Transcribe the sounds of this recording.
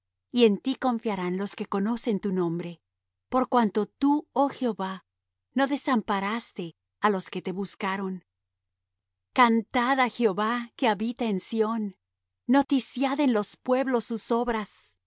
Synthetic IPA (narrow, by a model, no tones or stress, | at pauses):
ie̞nt̪iko̞ɱfjaɾanlo̞ske̞ko̞no̞se̞nt̪unõ̞mbɾe̞ | po̞ɾkwant̪o̞t̪uoxeo̞βa | no̞ðe̞sampaɾast̪e̞ | alo̞ske̞t̪e̞βuskaɾo̞n | kant̪aðaxeoβake̞aβit̪aensjo̞nː | o̞t̪isjaðenlo̞spwe̞βlo̞sːuso̞βɾas